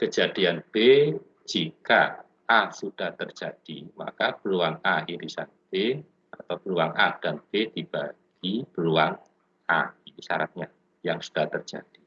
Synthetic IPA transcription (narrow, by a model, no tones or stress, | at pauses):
kəd͡ʒad̥ianb̥e | d͡ʒ̥ika | ʔːsud̥aht̪ərd͡ʒ̥ad̥ima̰kapəluaŋaiɾisa̰nb̥e | at̪awpəluaŋʔad̥anb̥ed̥ib̥aɡ̥ipəluaŋ | ʔa̰inisaɾat̪̚ɲa | jaŋsud̥aht̪ərd͡ʒ̥a̰d̥i